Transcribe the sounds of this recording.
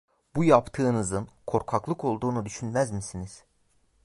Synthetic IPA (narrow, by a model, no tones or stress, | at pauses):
b̥ujapt̪ʰɯːnɯzɯnkʰo̞ɾkʰaklˠɯkʰo̞lˠd̪uːnud̪yʃynmæzmisiniz̥